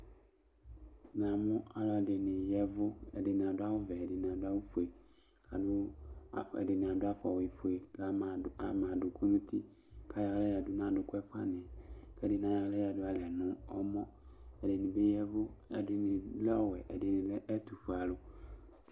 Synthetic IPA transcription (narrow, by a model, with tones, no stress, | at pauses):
n˨ã˨mʊ̃˦a˦la˦˨dɪ˨nɪ̃˨jɛ˦vʊ˦ɛ̰˨dɪ˨nɪ̃˨a˨dʊ˦a˦wʊ˦vɛ˨ɛ˨dɪ˨n˨a˨dʊ˦a˦wʊ˦fu˨e˨ | a˨dʊ˦ | ɛ̰˨dɪ˨nɪ̃˨a˨dʊ˦a˦fɔ˨wi˨fʊ˨e˨˦a˨mã˨dʊ˨kʰu˦nũ˦tʰi˦kʰa˦ja˨˦lɛ˦a˨dʊ˦n˦ã˨dʊ˨kwɛ˦fa˦nɪ̃˨fɛ˦dɪ˨n˨ã˨˦ja˦lɛ˦jɛ˨dʊ˦a˨lɛ˨nʊ̃˦ɔ̰˦mɔ̃˦ | ɛ˨dɪ˨nɪ̃˨be˦jɛ˦vʊ˦a̰˨dɪ˦nɪ̃˨˦lɛ˦ɔ˦wɛ˨ʔɛ˨dɪ˨nɪ̃˨bɛ˦ʔɛ˦tu˨fu˨a˨lʊ˨